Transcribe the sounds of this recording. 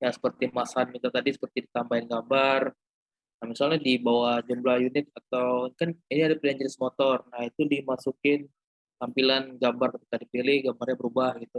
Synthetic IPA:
jasə̥pərt̪imasanɡit̪at̪adisə̥pərt̪idit̪ambajanɡambar | nahmisalɲadibawahd͡ʒumlahjunɪt̪̚at̪awkaniniadapliaɲd͡ʒəɾɪsmɔt̪ɔrnahit̪udimasukɪn | t̪ampilanɡambarkət̪i̥kadipilɪhɡambarɲabəɾubahɡit̪u

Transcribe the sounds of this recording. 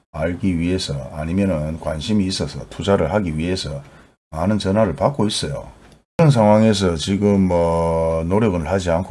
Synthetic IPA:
aɭɡiɥiɦe̞sʰʌ̰a̰ɲimjʌnɯnkwanɕʰimiːs͈ʌsʰʌtʰud͡ʑaɾɯɭɦaɡiɥiɦe̞sʰʌ | manɯnt͡ɕʌnɦaɾɯɭpak͈ois͈ʌjo̰ | kɯɾʌns̬ʰaŋɦwaŋe̞s̬ʰʌt͡ɕiɡɯmːʌnoɾjʌɡɯɭhad͡ʑiankʰ

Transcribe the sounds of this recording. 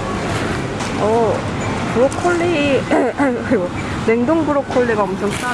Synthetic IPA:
ʌ | pɯɾokʰoɭːi | kiɡo | ne̞ŋdoŋbuɾokʰoɭːiɡaʌmsʰʌŋʰ

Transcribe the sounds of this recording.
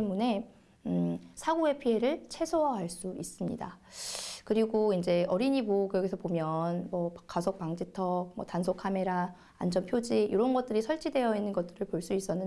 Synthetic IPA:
emune̞ | sʰaɡue̞pʰie̞ɾɯɭt͡ɕʰe̞sʰoʌɦaɭs͈uis͈ɯmɲḭda̰ | kɯɾiɡoind͡ʑe̞ʌɾiɲibokɯʌɡisʰʌpomjʌnmʌkasʰok̚paŋd͡ʑitʰʌk̚mʌ̰tansʰokʰame̞ɾa̰ː | nd͡ʑʌmpʰjod͡ʑiʔiɾʌnɡʌt̚t͈ɯɾisʰʌɭt͡ɕ͈ʰide̞jʌinːɯnɡʌt͈ɯɾɯɭpoɭs͈uis͈ʌnɯn

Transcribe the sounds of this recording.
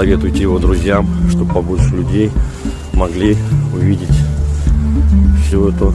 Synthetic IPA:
ɐvʲe̞t̪ʊjɪtʲɪjɪvo̞d̪ɾʊzʲjamʂt̪obpːɐbut̪ʂlʲʉdʲej | mɐɡlʲiʊvʲidʲɪtʲ | fsʲoɛt̪ʊ

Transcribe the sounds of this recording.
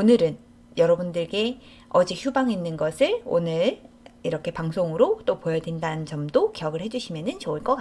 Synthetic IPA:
onɯɾɯn | jʌɾʌbundɯɭɡe̞ | ʌd͡ʑik̚çubaŋinːɯnɡʌsʰɯɭo̰nɯɭ | iɾʌkʰe̞paŋsʰoŋɯɾot͈opojʌdwindanɯnt͡ɕʌmdokejʌɡɯɭhed͡ʑuɕʰimjʌnɯnt͡ɕoɯɭk͈ʌk͈a

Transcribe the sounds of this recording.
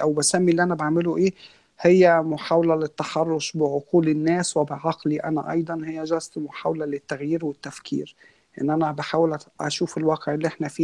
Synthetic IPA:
ʔæwbæsæmːiʔlːiːʔænæbaʕmeloʔeː | hejːæmoħaːwlælɪt̪ːɑħɑrˤːoʃbɪʕoquːlɪnːæːswebɪʕɑqliʔæ̰næ̰ʔɑ̰jd̪ˤɑnhejːæʒɑst̪moħaːwlælɪt̪ːæɣjiːɾwet̪ːæfkʰḭːɾ | ʔḛnːʔænæbaħaːwelʔæ̰ʃuːfelwɑːqeʕelːiʔeħnæfiː

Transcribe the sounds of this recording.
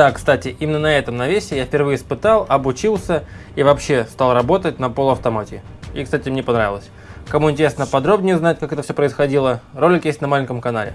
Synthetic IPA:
d̪̥akst̪atʲɪʔimʲɪnːənɐɛt̪əmnɐvʲesʲɪjafpʲɪrvɨjəɪspɨt̪alˠɐbʊt͡ɕilˠsʲə | ivɐpɕːe̞st̪alˠrɐbo̞t̪ət̚ʲnɐpolˠʊɐft̪ɐmatʲɪ | ikst̪atʲɪmnʲepɐnɾavɪ̰lˠəsʲ | kɐmuɪnʲtʲɪɾʲesnəpɐd̪ɾo̞bnʲɪjəznatʲkakɛt̪əfsʲopɾəɪsxɐdʲilˠəro̞lʲːɪkjesʲtʲnɐmalʲɪnʲkəmkɐna̰lʲɪ̰

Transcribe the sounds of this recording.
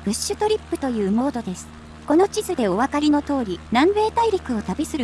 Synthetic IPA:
b̥ɯ̟ɕːɨt̪o̞ɾʲipːɯ̟t̪o̞jɯ̟ːmo̞ːd̪o̞d̪e̞sɨ̥ | ko̞no̞t͡ɕizɨd̪e̞o̞βakaɾʲino̞t̪o̞ːɾʲinãmbe̞ːt̪aiɾʲakɯ̟o̞t̪abesɨɾɯ

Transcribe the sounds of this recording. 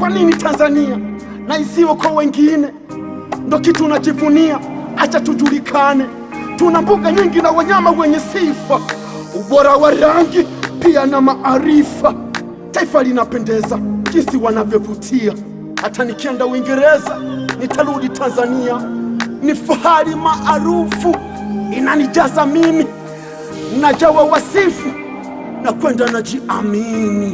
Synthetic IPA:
kwaninitʰanzania | naisiwɔkɔwɛŋɡinɛ | ndɔkitunat͡ʃivuniaat͡ʃatud͡ʒulikʰanɛ | tunambuɡaɲiŋɡinawaɲamawɛɲɛsifa | uɓɔɾawaɾaŋɡipianamaʔaɾifa | taifalinapɛndɛzad͡ʒinsiwanavjɔvutʰia | hatanikɛndauwiŋɡɛɾɛzanitʰaluɗitʰanzanianifahalimaʔːɾufu | inanid͡ʒazamimi | nad͡ʒawawasifu | nakwɛndanad͡ʒiʔamini

